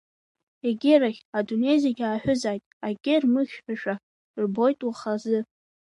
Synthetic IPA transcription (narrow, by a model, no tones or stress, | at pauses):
eɡʲɪɾaχʲadune̞jzeɡʲaːħʷᶣʊzajtʼaɡʲɪrmɨχʲħʷᶣaʃᶣa | rbo̞jtʼwaχazɨ